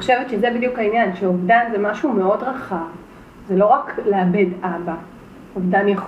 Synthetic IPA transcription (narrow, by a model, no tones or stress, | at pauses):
oʃevet̪ʃezebidijukhainjanʃeovdanzemaʃume̞o̞dʁaχav | zelo̞ʁakleabe̞daba | ovdanjaχ